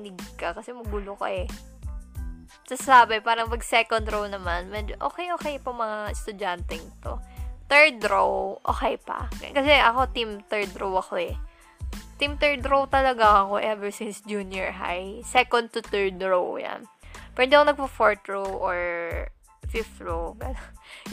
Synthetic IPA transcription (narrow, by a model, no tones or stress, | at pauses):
nɪɡkɐkɐsɛmɐɡuloko̰ʔɛ | sɐssaːbɐpaːɾɐŋpɐɡ̚sɛkond̪ɾownɐmanmɛd͡ʒoʔo̰ːkɛjʔoːkɛjpɐmɐŋaɛst̪ʊd͡ʒant̪ɛŋɪt̪o̞̰t̪ɛɹd̪ɾowʔo̰ːkɛjpɐ̰kɐsɛʔɐko̞t̪imt̪ɛɹd̪ɾowʔɐko̞ɛ | t̪imt̪ɛɹd̪ɾowt̪ɐlɐɡaŋɐko̞ʔɛvɛɹsɪnsd͡ʒunjɛɹɦa̰jsɛkond̪̚t̪ʊt̪ɛɹd̪ɹowja̰npɪnd̪ikonɐɡ̚pɐfoɹt̪ɹowʔoɹ | fɪfɹowɡɐnon